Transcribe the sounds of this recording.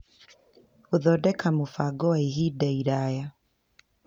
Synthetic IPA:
oðɔdɛkamofaɡɔwaiɦidaiɾaja

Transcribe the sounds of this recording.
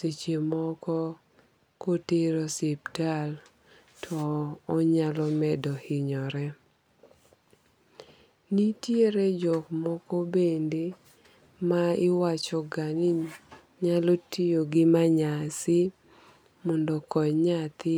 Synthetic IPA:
set͡ʃemɔkɔ | kotɪɾɔsɪptal | tʰɔːɲalɔmɛdɔhɪɲɔɾɛ | nitjeɾɛd͡ʒɔkmɔkɔbende | maɪwat͡ʃɔɡanɪɲ | ɲalɔtʰijoɡɪmaɲasɪ | mɔndɔkɔɲat̪ɪ

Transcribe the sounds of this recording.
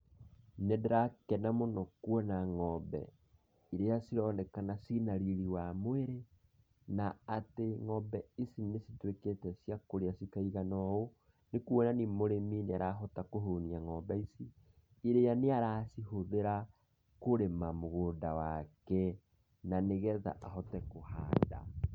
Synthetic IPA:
nedeɾakɛnamonɔkwɔnaŋɔbɛ̰ | iɾejasiɾɔnɛkanasinaɾiɾiwamweɾe | naateŋɔbɛisinesitweketɛsjakoɾeasikaiɣanɔo | nekwɔnanimoɾemineaɾaɦɔtakoɦoniaŋɔbɛisi | iɾejaneaɾaːsiɦoðeɾa | koɾemamoɣoːndawakɛ | naneɣɛða̰ʔaɦɔtɛkoha̰ːda̰

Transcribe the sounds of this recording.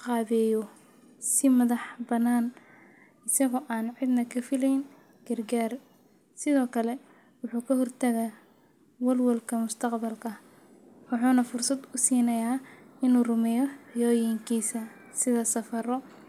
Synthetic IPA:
qɑːβɛːjɔ | sɪmɐðɐħbɐnaːn | ɪsɐɣɔːʔaːnʕɪd̪nɐkʰɐfɪlɛjn | ɡ̥ɐrɡaːr | sɪðɔːkʰɐlɛ | wʊħuːkʰɐɦɔrt̪ʰɐɣɐ | wɐrwɐlkʰɐmʊst̪ʰɐqbɐlkʰɐ | wɑħuːnɐfʊrsɐd̪ʊsiːnɐjaːɪnuːrʊmɛjɔħjɔːjɪŋkʰiːsɐ | sɪðɐsɐfɐɾɔ

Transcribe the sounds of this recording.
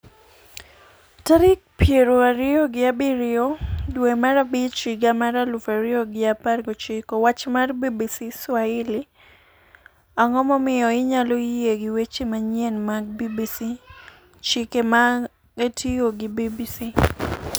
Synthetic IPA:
taɾɪk̚pjeɾoaɾɪoɡɪabɪɾɪodwemaɾabɪt͡ʃɡamaɾalufaɾɪoɡɪaparɡɔt͡ʃɪkɔwat͡ʃmarbibisiswaɪlɪ | aŋɔmɔmɪɔɪɲalojeɡɪwet͡ʃemaɲjenmaɡ̚bibisi | t͡ʃɪkema | ɡetioɡɪbibisi

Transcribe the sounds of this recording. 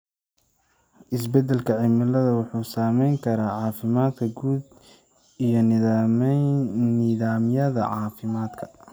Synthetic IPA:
ʔɪs̬bɛd̪ɛlkʰɐʕɪmɪlɐðɐwɑħuːsaːmɛjŋkʰɐɾaːʕɑːfɪmaːd̪kʰɐɡuːd̪̚ | ijɞn | niːðaːmjɐðɐ̰ʕɑːfɪmaːd̪kʰɐ̥

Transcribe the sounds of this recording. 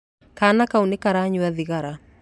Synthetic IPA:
kanakaunikaɾaɲuwɛðiɣaɾa

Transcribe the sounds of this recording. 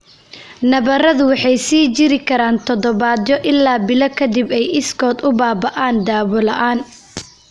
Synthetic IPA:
nɐβɐrɐðʊwɑħɑjsiːt͡ʃɪɾɪkʰɐɾaːnt̪ʰɔðɔβaːd̪jɔʔɪlːaːbɪlɐkʰɐd̪ɪbɛjɪskʰɔːd̪ʊbaːbɐʔaːnd̪aːwɔlɐʔaːn

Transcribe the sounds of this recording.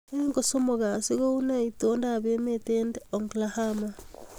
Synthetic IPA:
eŋɡosomoɣasiɣounaitondaβemetendoŋɡlahama

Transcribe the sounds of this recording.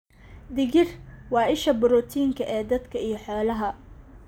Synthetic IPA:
d̪ɪɣɪrwɑːʔɪʃɐbʊɾɔːt̪ʰiːŋkʰɐʔɛːd̪ɐd̪kʰɐijɞħɔːlɐɦɐ

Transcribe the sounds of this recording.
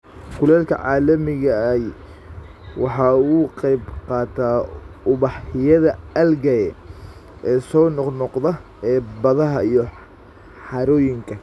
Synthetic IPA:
kʰʊlɛːlkʰɐ̰ʕɑːlɐmɪɣɐj | wɑħɑːuqɛjbqɑːt̪ʰaːʊβɑħhɪjɐðɐɐlɡɐjɛ | ʔɛːsɔːnɔqnɔqðɐ | ɛːbɐðɐɦɐijɔ | ħɑɾɔːjɪŋkʰɐ

